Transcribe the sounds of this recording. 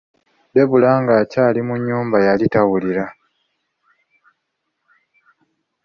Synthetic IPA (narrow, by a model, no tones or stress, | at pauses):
de̞βulaːŋɡaːcaːlimuɲːuːmbajalitawuliɾa